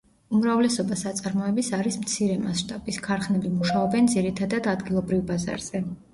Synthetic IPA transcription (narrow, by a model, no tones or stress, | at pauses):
umɾavlɛsɔbasat̪sʼaɾmɔɛbisaɾismt̪sʰiɾɛmasʃt̪ʼabiskʰaɾχnɛbimuʃaɔbɛnd̪ziɾit̪ʰad̪ad̪ad̪ɡilˠɔbɾivbaza̰ɾz̥ɛ